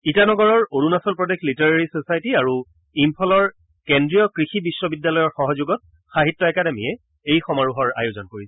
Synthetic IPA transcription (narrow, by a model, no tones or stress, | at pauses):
itanɔɡɔɹɔɹodunasɔlpɹɔdexʰlitaɹaɹisosajtiaɹu | impʰɔlɔɹ | kendɹijɔkɹixibisːɔbidːalɔjɔɹxɔɦɔzʊɡɔt̚ | xaɦitːɔɛkademijɛ | ejxɔmaɹuɦɔɹa̰jozɔnkoɹisɛ